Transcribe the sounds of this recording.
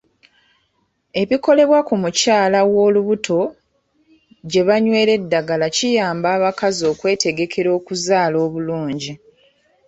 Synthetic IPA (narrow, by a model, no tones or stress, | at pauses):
e̞βiko̞le̞βwakumucaːlawo̞ːluβutʰo̞ | ɟe̞βaɲwe̞ːɾe̞dːaɡalacijaːmbaːβakazo̞ːkwe̞ːte̞ɡe̞kʰe̞ɾo̞ːkuzaːlo̞ːβuluːɲɟi